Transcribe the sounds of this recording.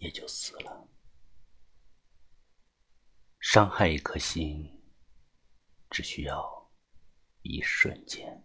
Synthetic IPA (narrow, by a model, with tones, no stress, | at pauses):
jɛ˨˩t͡ɕjo˥˩ʊsɹ̩˨˧˩lə˦ | ʂɑ˥ŋxa˥˧ɪ˨˩kʰɤ˥˩ɕi˥ŋ | ʈ͡ʂɻ̩˨˩ɕy˥jɑ˥˩ʊ | ḭ˧˥ʂwə̰˥˧nt͡ɕjɛ˥˩n